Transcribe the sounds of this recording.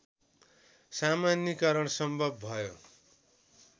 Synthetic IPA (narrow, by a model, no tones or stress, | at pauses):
samanikʌɾʌɳsʌmbʱʌbbʱʌjo̰